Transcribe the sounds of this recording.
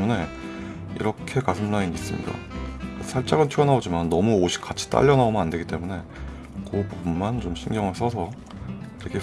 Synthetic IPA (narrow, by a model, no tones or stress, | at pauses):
une̞ | ḭɾʌkʰe̞kasʰɯmunainiis͈ɯmɲḭda̰sʰaɭt͡ɕ͈aɡɯntʰiʌnaod͡ʑimanːʌmuoɕʰi̥k͈at͡ɕʰi̥t͈a̰ʎːʌnaomjʌnandeɡit͈e̞mune̞ | kopommant͡ɕomɕʰinɡjʌŋɯɭs͈ʰʌsʰʌ | iɾʌkʰe